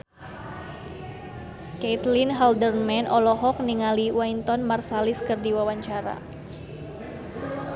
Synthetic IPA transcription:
ket̪linɦaldərmɛnʔɔlɔɦɔk̚niŋaliwaint̪ɔnmarsalɪskərdiwawaɲt͡ʃaɾa̰

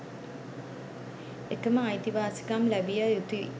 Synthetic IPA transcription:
ekəməajt̪iʋaːsi̥kamlæbijəjut̪i

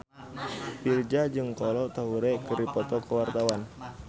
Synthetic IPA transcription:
pird͡ʒad͡ʒɨŋkɔlɔt̪aɦuɾɛkəɾipɔt̪ɔkəwart̪awan

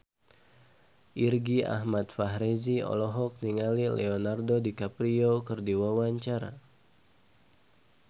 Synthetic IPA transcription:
ʔirɡia̰ɦmat̪̚faɦɾeziɔ̰lɔɦɔk̚niŋalilɛ̰ɔnardodikapɾiokɨrdiwawaɲt͡ʃaɾa̰

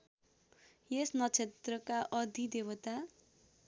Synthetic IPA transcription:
jesnʌt͡sʰet̪rʌkaʔʌd̪ʱid̪ewʌt̪a

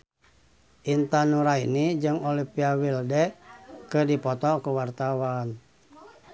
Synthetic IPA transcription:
ʔint̪anuɾainid͡ʒɨŋolipiawildɛʔkɨdipɔt̪ɔkuwart̪awan

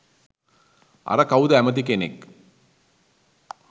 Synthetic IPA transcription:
a̰ɾəkawud̪əæmət̪̬ikenḛk

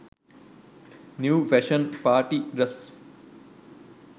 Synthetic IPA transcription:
njuːʋeʃənpaːɾʈiɾɐs

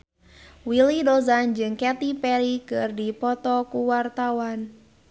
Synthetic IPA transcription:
wilidozand͡ʒɨŋkɛt̪ipɛɾikɨrdipɔt̪ɔkuwart̪awan

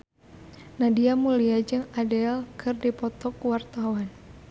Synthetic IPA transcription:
nadiamuliad͡ʒɨŋadɛlkʰɨrdipɔt̪ɔkuwart̪awan

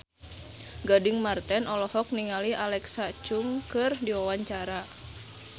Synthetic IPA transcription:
ɡadɪŋmart̪ɛnɔlɔhɔk̚niŋaliʔalɛksat͡ʃuŋkɨrdiwawaɲt͡ʃaɾa

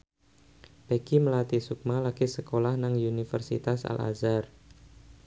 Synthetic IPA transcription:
b̥eɡ̥iməlat̪isuk̚malaɡ̥isəkolahnaŋunifərsḭt̪asa̰la̰zar

